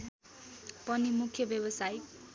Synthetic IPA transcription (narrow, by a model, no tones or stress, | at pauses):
pʌnimukʰjʌbjʌbʌsaj